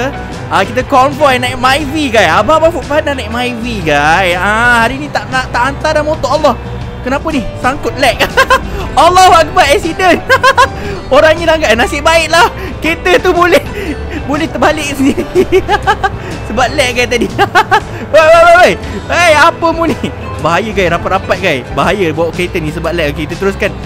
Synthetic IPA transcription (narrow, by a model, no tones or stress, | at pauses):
akit̪əkɔnvajnajʔmajviɡajababafuʔfananajʔmajviɡajahaɾinĩt̪aʔnaʔt̪aʔant̪adamõt̪ɔʔalːɔh | kənapənihsaŋkʊt̪̚lɛʔ̚ | alːɔhwakəbat̪ɛksidən | oɾaŋɲĩdaŋɡajnasɪʔbaɪʔlah | ket̪ət̪ubolɛh | bolɛht̪əbalɪk̚səɲə | səbat̪̚lɛʔ̚kajt̪adi | wajwajwajwaj | ajapəmuni | baɦajəɡajɾapat̪̚rapat̪̚ɡajbaɦajəbawaʔket̪ənĩsəbat̪̚lɛʔoket̪ət̪əɾʊskan